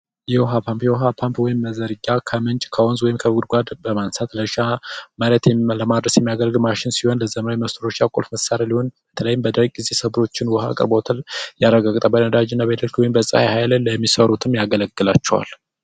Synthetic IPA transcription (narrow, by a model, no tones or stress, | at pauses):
jɛwɦapʰampjɛoɦapʰampwɔjɪmːəzəɾɨɡːakʰəmɨnt͡ʃʼkʰəwonzwɔjɪmkʰəɡud̪ɡʷad̪bəmansat̪ləʃamaɾət̪jɛləmad̪ɾəsjɛmːijaɡəlɡmaʃɪnsiho̞nləzəmɾawjməst̪ʰɾoʃakʼolfməsaɾaliho̞nbət̪ʰələjɪmbəd̪əɾkʼɡize̞səbɾo̞t͡ʃːɪnwɔha̰kʼɨ̰ɾbo̞t̪ʰaljarəɡaɡʼt̪ʼəbənnəd̪ad͡ʒɪnːabəd̪əlkwɔjɪmbəsʼa̰hahajlləmːisəɾut̪ʰɨmjaɡələɡːɨlat͡ʃːɛwa̰l